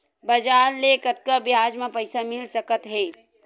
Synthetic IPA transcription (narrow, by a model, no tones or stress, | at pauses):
bəd͡ʒaːɾlekət̪kabjaːd͡ʒmẽpəjsamɪlsəkət̪ɦeː